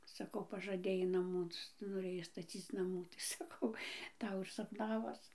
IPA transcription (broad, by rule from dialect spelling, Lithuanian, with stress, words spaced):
sɐˈkɐʊ pɐʒɐˈdʲeːjɛɪ nɐˈmuː noːˈrʲeːjɛɪ stɐˈt͡sʲiːt͡s nɐˈmuː tɐɪ sɐˈkɐʊ ˈtɐʊ ɪr sɐpˈnɑːʋoːs